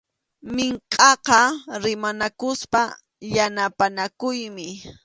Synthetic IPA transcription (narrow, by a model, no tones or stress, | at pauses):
mɪɴqʼɑqɑɾɪmanakʊspa | janapanakʊjmɪ